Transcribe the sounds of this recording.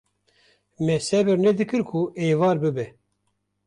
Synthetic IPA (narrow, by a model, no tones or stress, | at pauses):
mɛsɛbɨɾnɛd̪ɨkɨɾkʰueːvɑːɾbɨbɛ